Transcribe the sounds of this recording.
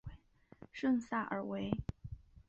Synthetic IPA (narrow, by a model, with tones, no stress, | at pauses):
ʂə˥˧nsa˥˩ʔə̰˞˧˥we˧˥ɪ